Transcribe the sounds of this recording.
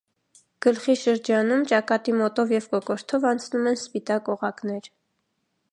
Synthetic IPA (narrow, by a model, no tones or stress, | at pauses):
ɡ̥əlχiʃəɾd͡ʒɑnumt͡ʃɑkɑt̪imɔt̪ɔvjɛvkɔkɔɾt̪ʰɔvɑnt͡sʰnumɛnspit̪ɑkɔʁɑkn̪ɛɾ